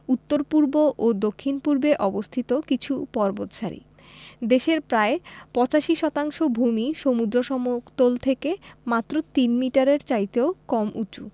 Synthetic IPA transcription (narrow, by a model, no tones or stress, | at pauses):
ut̪ːoɾpuɾboʔod̪okʰːinpuɾbeʔɔbost̪ʰit̪okit͡ɕʰupɔɾbot̪ʃaɾḭ | d̪eʃeɾpɾaepɔt͡ɕaʃiʃɔt̪aŋʃobʱumiʃomud̪ɾoʃɔmokt̪olt̪ʰekemat̪ːɾot̪inmiʈaɾeɾt͡ɕajt̪eokɔmʔut͡ɕṵ